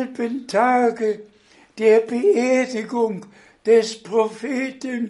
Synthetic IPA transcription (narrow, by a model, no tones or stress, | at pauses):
lb̥əntʰɑːɡ̥ə | d̥eɐb̥əɛɐd̥ɪɡoŋ | d̥espʰʁofeːdʰən